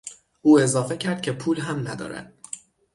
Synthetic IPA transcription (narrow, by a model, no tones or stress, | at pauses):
ʔuːe̞zɒːfe̞cʰæɾd̪̚cʰe̞pʰuːlɦæmnæd̪ɒ̰ːɾæ̰d̪̥̚